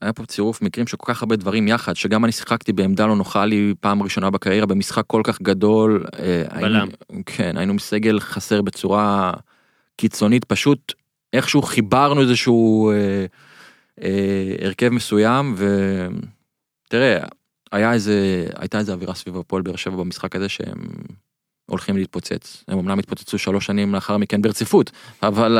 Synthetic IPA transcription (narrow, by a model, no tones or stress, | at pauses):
ajapo̞t͡siʁufmikʁimʃekolkaχaʁbe̞dvaʁimjaχad̥ʃe̞ɡamanisi̥χakt̪ibeːmd̪alo̞noχalipaːmʁiʃo̞nabakajeʁabe̞misχakːo̞lkaχɡado̞lea̰ikʰenʔa̰inumise̞ɡe̞lχase̞ʁbe̞t͡suʁa | kit͡so̞nit̪paʃut̪ | eχʃuːχibaʁnuezeʃuuːe | eḛʁke̞vme̞sujamve̞ | t̪iʁe | ajaezea̰jt̪aezeaviʁasvivapolbeːʁʃe̞vabamisχakaze̞ʃḛḛm | o̞̰lχimliːt̚pot͡se̞̰t͡shemo̞mnamit̚pot͡se̥t͡suʃalo̞ʃanimleaχaʁmike̞nbeʁt͡sefut̪aval